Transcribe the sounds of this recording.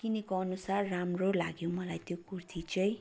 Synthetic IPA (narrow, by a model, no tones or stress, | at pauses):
kinikoʌnusarːamrolaɡjomʌlajt̪jokurt̪ʰit͡sʌĩ